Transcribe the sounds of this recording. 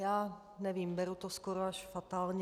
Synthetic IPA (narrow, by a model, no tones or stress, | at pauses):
jaː | nɛviːmbɛɾut̪oskoɾoaʃfat̪aːlɲ